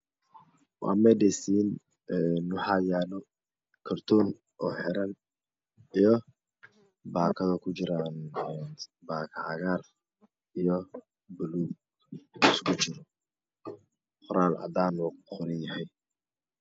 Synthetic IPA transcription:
wɑ̰ːmɛdɛsiːn | ɛnːʊħɑːjaːlɔ | kʰɐrt̪ʰɔːn | ʔɔːħɛɾɐn | ijɔ | baːkʰɐðɐkʰʊt͡ʃɪɾanɛnbaːkʰʕɑɣaːr | ijɔ | bʊluːɡ̚ | ɪskʰʊt͡ʃɪɾɔ | qʰɔɾaːlɐ̰d̪aːnuqʰɔnɪnjɐɦɛj

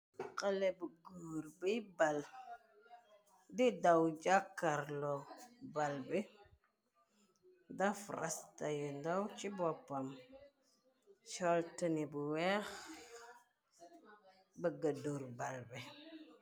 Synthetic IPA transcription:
qəlebəɡuɾbəjbal | didawd͡ʒakːaɾlobalbe | dafɾa̰stajindawt͡ʃibɔpːam | t͡ʃɔltənibuwɛx | bəɡəduɾbalbɛ

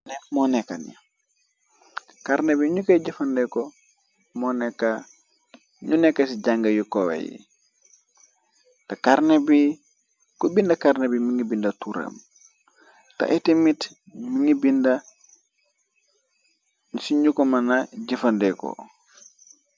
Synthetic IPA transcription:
nɛmɔnɛkanḭ | kaɾnebiɲukaɟifɐndɛko | mɔnɛkːa | ɲunɛkːasiɟaŋɡɐjukowḛjḭ | takaɾnebi | kubindɐkarnebimiŋibindatuɾa̰m | ta̰ʔitimit | miŋibinda | nusiɲukomanaɟifɐndɛko̰

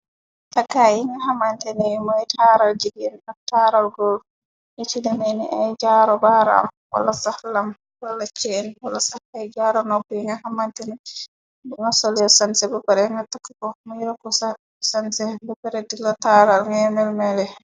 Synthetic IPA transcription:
takːajiŋɡaɦamantɛnimɔɛtʰaɾald͡ʒiɡɛnataɾalɡɔl | jɛtidameniʔajd͡ʒaɾɔbaɾaa̰mwa̰lːasahlam | walːat͡ʃɛnwalːasaajd͡ʒaɾɔnɔbɛiŋɡahamantɛni | buŋɡasoliɔsansɛbɛbɛɾɛŋɡatakːakɔmiɾakɔsa | sansɛbɛbɛɾɛdilːataɾalŋamɛlmɛlɛ

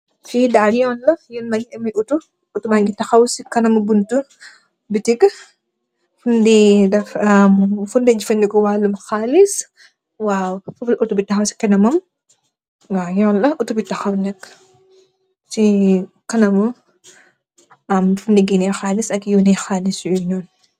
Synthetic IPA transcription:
fidajɔnlɐjunmɐjɐmiʔutu | utumaɡitɐxɐwsikɐnɐmubuntu | bitiɡ | fundidɛfɐmfundɛd͡ʒifɐndikɔwaːlumxaːlis | wawfɐfulʔutubitːɐxɐwsi̥kɛnɐmɐm | ajɔlɐʔutubitɐxɐwnɛkː | si | kɐnɐmu | ɐmfundiɡinɛxaːlisɐkjunɛxaːlisɔɲɔːn

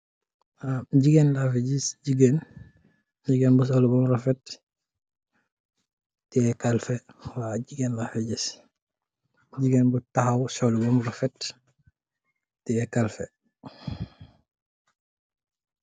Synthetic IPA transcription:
amɟiɡɛnlafɛɟisɟiɡen | ɟiɡenbus̬ɔlubɔmrɔfɛt̚ | tɛɛkalfɛ | waɟiɡɛnlafɛɟis | ɟiɡenbutahawsɔlubɔmrɔfɛt | tɛɛkalfɛ

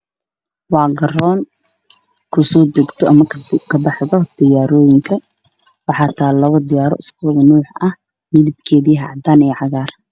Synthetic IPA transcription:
wɑːɡɐrɔːn | kʰʊsɔːd̪ɛɡt̪ʰɔʔɐmɐkʰɐbɑħðɔd̪̥ɪjaːɾɔːjɪŋkʰɐ | wɑħɑːt̪ʰaːlɐβɐd̪ɪjaːɾɔ̰ʔɪskuːðɐnuːħɐh | mɪðɪb̚kʰɛːðiɦɑʕd̪aːnɛjʕɑɣaːr

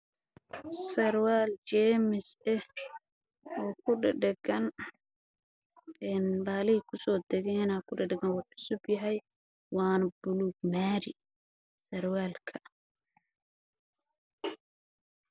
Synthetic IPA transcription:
sɐɾwaːlt͡ʃɛːmɪsɛh | ɔːkʰʊɖɪɖɛɡɐn | ɛːnbaːlɪhɪkʰʊsɔːd̪ɛɣɛɪnaːkʰʊɖɪɖɪɡɐnwɑʕʊsʊbjɐɦɛj | wɑːnɐbʊluːɡmaːɾɪ | sɐrwaːlkʰɐ

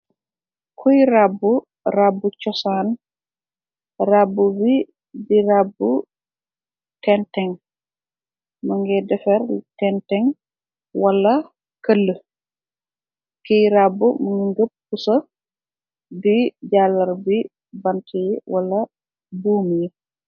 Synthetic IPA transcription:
kʰujrabːu | rabːut͡ʃɔsaːn | rabːubi | dirabːu | tɛntɛŋ | mɐŋɡɛdɛfɛɾtɛntɛŋ | wɐlːɐ | kɐlːə | kəjɾaːbːumɐŋɡiŋɡəp̚kusɐ | diɟaːlɐɾbi | bɐntʰijwɐlːɐ | buːmji

